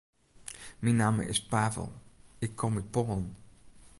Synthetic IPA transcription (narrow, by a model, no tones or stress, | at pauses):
minaːmə̰ʔɪ̰spaːvə̰lˠɪkʰːɔmɪpɔːn